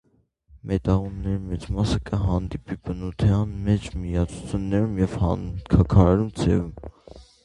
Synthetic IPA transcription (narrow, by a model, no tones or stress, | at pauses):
mʔɛt̪ɑʁunːɛɾimɛt͡smɑsəkəɦɑnd̪ipibənut̪ʰɛɑnmɛt͡ʃmijɑt͡sʰu̥t͡sʰjunːɛɾumjɛvhɑnkʰɑkʰɑɾɛɾumt͡sʰɛ̰vum